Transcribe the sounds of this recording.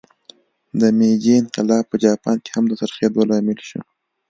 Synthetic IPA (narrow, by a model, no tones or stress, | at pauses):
d̪əmed͡ʒeɪnqɪlɑfpəd͡ʒɑpɑnke̥hamd̪əsaɾχed̪olɑmɪlʃṵ